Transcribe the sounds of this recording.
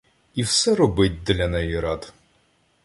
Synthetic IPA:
iwsɛɾɔbɪtʲd̪lʲɐnɛjiɾɑd̪

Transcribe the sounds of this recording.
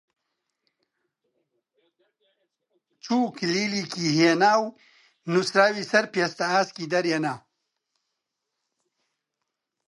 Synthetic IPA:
t͡ʃuːklilikiɦenaːw | nusɾaːwisɐɾpest̪aaːskid̪ɐɾjenaː

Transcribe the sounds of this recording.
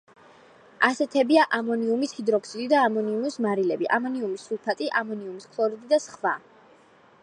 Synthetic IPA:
asɛt̪ʰɛbiaʔamɔniumishid̪ɾɔksid̪id̪aːmɔniumismaɾilɛbiʔamɔniumisːulˠpʰat̪ʼiʔamɔniumiskʰlˠɔɾid̪id̪asχva

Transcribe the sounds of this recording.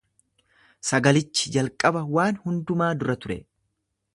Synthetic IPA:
sɐɡɐlɪt͡ʃːɪ̥d͡ʒɐlkʼɐbɐwaːnhʊnd̪ʊmaːd̪ʊɾɐt̪ʊɾɛ̰

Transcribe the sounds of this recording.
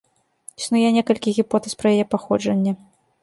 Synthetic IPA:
isnujɛnʲɛkɐlʲkʲiɣʲipɔt̪ɛspɾɐjajɛpaxɔd͡ʐɐnʲːɐ

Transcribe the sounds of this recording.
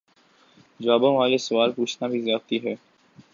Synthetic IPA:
d͡ʒaːbõʋaːlesʊʋaːlpuːt͡ʃʰnabʱizjaːt̪iɦɛː

